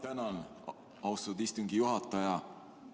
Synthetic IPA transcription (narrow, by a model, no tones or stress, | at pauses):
t̪ænɑn | ɑwst̪od̪ist̪uŋɡijuɦɑt̪ːˑɑjɑ